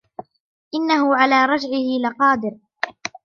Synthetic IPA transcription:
ʔɪnːahʊʕalaːɾˤɑd͡ʒʕɪhɪlɪqɑːd̪ɪɾ

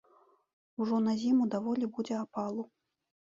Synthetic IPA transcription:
uʐɔnɐzʲimud̪avɔlʲibud͡zʲɛapalˠu

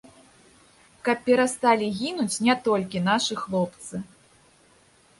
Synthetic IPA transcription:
kɐpːʲɛɾast̪alʲiɣʲinut͡sʲnʲɛt̪ɔlʲk̬ʲin̪aʂɨxlˠɔpt̪sɨ

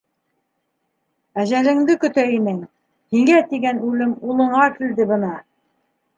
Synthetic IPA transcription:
æʒælɘ̆ŋd̪ɘkɵ̆t̪æinɘŋ | hiŋɡæt̪iɡænʉlɘmulˠɤ̆ɴɑkild̪ɘbɤ̆nɑ

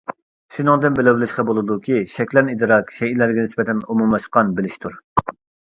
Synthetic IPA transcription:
ʃunɨŋd̪ɨnbɪlɪbɪlɪʃqɑbolˠɨd̪ukʲʰiʃɛkʲlɛnid̪ɨɾɑkʃɛjilæɾɡʲɛnɪsbɛt̪ʰɛnumumɑʃqɑnbɪlɪʃt̪ʰuɾ

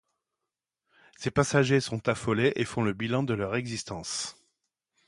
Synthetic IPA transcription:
sepasaʒesɔ̃t̪afɔleʔefɔ̃ləbilɑ̃d̪əlœʁɛɡzist̪ɑ̃s

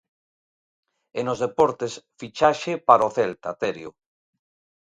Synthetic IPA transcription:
enozðepɔɾt̪esfit͡ʃaʃepaɾoθelt̪at̪eɾjo̰

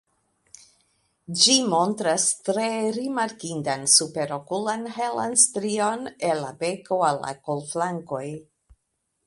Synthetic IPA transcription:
d͡ʒimo̞ntɾastɾe̞ɾimaɾkindansupe̞ɾo̞kulanɦela̰nstɾio̞nenlabe̞ko̞alːa̰kolflaŋko̞j

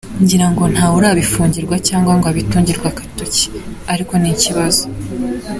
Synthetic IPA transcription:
ɲɟiɾaŋɡo̞n̥haːuɾaβifuːɲɟiɾɡwacaːŋɡwaŋɡoaβituːɲɟiɾɡwakḁtoci̥aɾiko̞niciβazo

